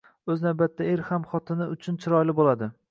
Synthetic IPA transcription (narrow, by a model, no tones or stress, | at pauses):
ɵznawbat̪ʰːaeɾhamχɒt̪ʰɪnɪʊt͡ʃʰʊnt͡ʃʰɪɾɒjlɪbolad̪ɪ